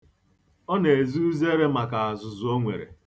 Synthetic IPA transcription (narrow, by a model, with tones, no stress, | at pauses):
ɔ˦ne˨e˨zu˦u˦ze˦ɾe˦ma˨ka˨a˨zʊ˨zʊ˨˦o˦ŋʷḛ˨ɾḛ˨